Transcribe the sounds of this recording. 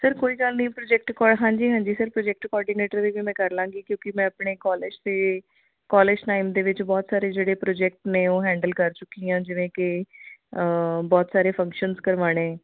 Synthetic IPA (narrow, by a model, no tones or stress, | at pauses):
səɾkoːiːkaːlnĩːpɾoːd͡ʒɛːk̚ʈkɔːɦãːɲd͡ʒiːɦãːɲd͡ʒiːsəɾpɾoːd͡ʒɛːk̚ʈkɔːɾɖiːneːʈəɾd̪eːʋiːmɛ̃ːkəɾlãːɡiːkjõːkɪmɛ̃ːəpɳeːkɔːled͡ʒd̪eː | kɔːleːd͡ʒʈaːimd̪eːʋɪt͡ʃbɔːt̪saːɾeːd͡ʒeːɽeːpɾoːd͡ʒɛːk̚ʈneːoːɦɛ̃ːɳɖəlkəɾt͡ʃʊkːiːãːd͡ʒɪʋẽːkɪ | bɔːt̪saːɾeːpʰə̃ŋkʃənzkəɾʋaːɽ̃eː